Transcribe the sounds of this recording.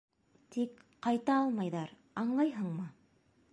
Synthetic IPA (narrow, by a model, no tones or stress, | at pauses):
t̪ik | qɑjt̪ɑɑlˠmɑjðɑɾ | ɑɴlˠɑjɦɤɴmɤ